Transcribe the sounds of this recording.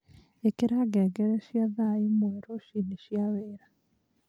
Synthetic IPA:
ekeɾaɡɛɡɛɾɛʃjaðaimwɛɾoʃiniʃjaweːɾa

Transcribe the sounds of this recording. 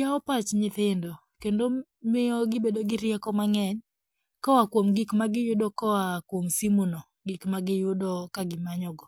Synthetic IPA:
aɔpat͡ʃɲɪθɪndɔ | kendo | mɪɔɡɪbedoɡɪɾjɛkɔmaŋɛɲ | kɔwakwomɡikmaɡɪjʊdɔkɔwakwomsimunɔ | ɡikmaɡɪjʊdɔkaɡɪmaɲɔɡɔ

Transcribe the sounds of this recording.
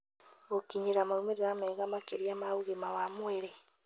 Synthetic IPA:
ɣokiɲiɾamaɾumeɾiɣameɣamakeɾiamauɣemawamweɾe

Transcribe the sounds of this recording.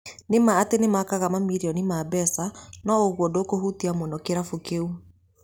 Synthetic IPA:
nemaːtenemakaɣamamiɾiɔnimaːbɛsanɔoɣwɔdokohutiamwɔnɔkeɾafokeu

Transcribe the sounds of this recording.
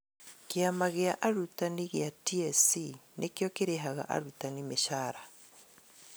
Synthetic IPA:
keamaɣeaʔaɾutaniɣjatiɛsinʔekjɔkeɾeɦaɣa̰ʔa̰ɾutanimeʃaːɾa

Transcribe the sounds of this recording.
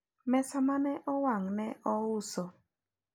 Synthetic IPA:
mɛsamanɛʔɔwaŋnɛʔɔʊsɔ

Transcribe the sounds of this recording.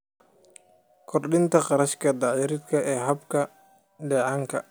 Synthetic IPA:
kʰɔrɗɪnt̪ʰɐqɑɾɐʃkʰɐd̪ɑːʕjɪɾɪd̪kʰɐʔɛːɦɐbkʰɐ | ɖɛːʕɑːŋkʰɐ̰

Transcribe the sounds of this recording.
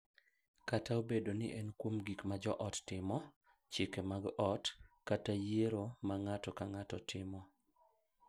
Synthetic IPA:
kataobedonɪ̰ʔɛnkwomɡikmad͡ʒɔʔɔtːɪmɔ | t͡ʃɪkemaɡɔtkatajeɾomaŋatɔkaŋatɔ̰tʰɪmɔ

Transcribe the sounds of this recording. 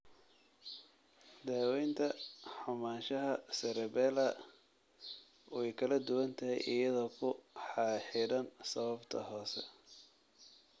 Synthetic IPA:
d̪aːwɛjnt̪ʰɐħʊmaːnʃɐɦɐsɛɾɛbɛːlɐ | wɛjkʰɐlɐd̪ʊwɐnt̪ʰɐɦijʔɪ̰jɐðɔːkʰʊħɑħɪɾɐnsɐβɐbt̪ʰɐ̰ɦɔːsɛ̰

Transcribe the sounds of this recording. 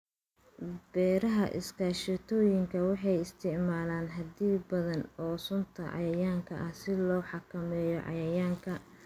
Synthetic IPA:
b̥ɛːɾɐɦɐʔɪ̰skʰaːʃɪt̪ʰɔːjɪŋkʰɐwɑħɑjɪst̪ʰɪʕmaːlaːnɦɐd̪iːbɐðɐnɔːsʊnt̪ʰɐʕɑ̰jɐjaːŋkʰɐʔɐhsɪlɔːħɑkʰɐmɛːjɔʕɑ̰jɐjaːŋkʰɐ

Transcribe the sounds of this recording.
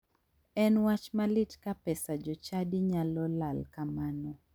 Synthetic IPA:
ɛnwat͡ʃmalitkapɛsad͡ʒɔt͡ʃaɗiɲalɔlalkamanɔ

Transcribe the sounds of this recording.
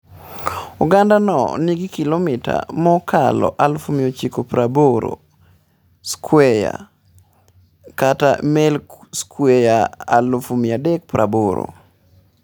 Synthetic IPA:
uɡandanɔ̰niɡikilomita̰mɔkalɔ̰ʔalfumɪot͡ʃikopɾaboɾo̰ | skʰwɛja̰ | kata̰mɛlkskʰwɛjaa̰lfumɪadɛk̚pɾʔaboɾo̰

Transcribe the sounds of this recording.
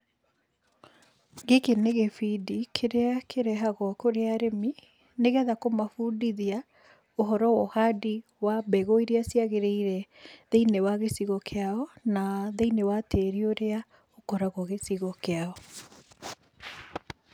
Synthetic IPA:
ɡekeneɣefidikʰeɾeakʰeɾɛɦaɣɔkoɾeaɾemi | neɣɛðakomafudiðia | oɦɔɾɔwɔhadi | wabɛɣoiɾiasiaɣeɾeiɾɛðeinewaɣesiɣɔkʰeaɔnaðeinewateɾioɾea | okɔɾaɣɔɣesiɣɔkeaɔ

